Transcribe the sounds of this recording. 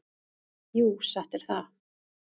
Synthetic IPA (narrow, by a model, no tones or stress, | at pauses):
juːsaht̪ɛɾ̥θað